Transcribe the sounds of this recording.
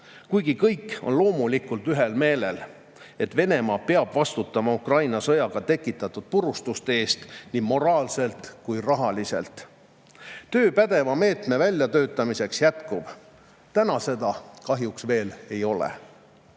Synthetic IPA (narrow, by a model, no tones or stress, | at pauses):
kujɡ̥ikɤjkːo̞̰nlo̞ːmulikːˑult̪yɦe̞lme̞ːle̞l | e̞t̪ve̞ne̞mɑːpe̞ɑb̥vɑst̪ut̪ːˑɑmɑukrɑjnɑsɤjɑɡ̥ɑt̪e̞kːˑit̪ːˑɑt̪ːˑud̪̥̚purust̪ust̪e̞ːst̪nimo̞ɾɑːlse̞lt̪ˑkujrɑɦɑlise̞̰lt̪ | t̪ø̞ːpæd̪̥e̞vɑme̞ːt̪me̞vælʲːjɑt̪ø̞ːt̪ːˑɑmise̞ksjæt̪kub̥ | t̪ænɑse̞d̪ɑkɑɦjuksve̞ːle̞jo̞lḛ